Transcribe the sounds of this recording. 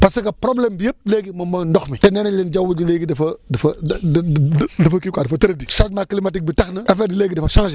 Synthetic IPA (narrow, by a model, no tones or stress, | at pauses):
pasɐkapɾoblembijəb̚leɡimɐmɐndoxmitenenilind͡ʒawud͡ʒileɡidɐfɐdəfɐ | dəfɐkikadəfɐtəɾediʃatmaklimatik̚bitaxnəefedileɡidɐfaʃãŋʃi